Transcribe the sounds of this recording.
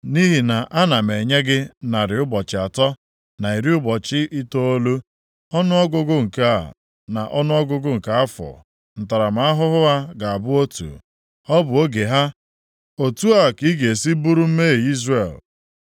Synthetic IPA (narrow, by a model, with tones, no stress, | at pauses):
ni˦ɦi˨na˨ʔa˦na˨me˨ɲe˦ɡɪ˦na˨ɾɪ˨ʊ˦bɔ˨t͡ʃɪ˨a˨tɔ˦ | na˨i˨ɾi˦ʊ˦bɔ˨t͡ʃɪ˦ʔi˦to˦o˦lu˦ | ɔ˦nʊ˦ɔ˦ɡʊ˦ɡʊ˦ŋ̩˨ka˦˨ | na˨ʔɔ˦nʊ˦ɔ˦ɡʊ˦ɡʊ˦ŋ̩˨ka˦a˦fɔ̰˨ | n̩˨ta˨ɾa˨m̩˨a˦ɦʊ˦ɦʊ˦ɦa˦ɡa˨a˨bʊ˦o˦tṵ˨ | ɔ˦bʊ˨o˦ɡe˨ɦa˦ | o˨tu˦a˦˨ki˦ɡe˨si˦bu˦ɾu˦m̩˦me˦˨i˦zre˨l